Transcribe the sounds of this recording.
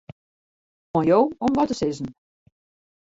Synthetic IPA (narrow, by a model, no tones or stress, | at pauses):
mɔjowɔmʋɔtəsɪzn̩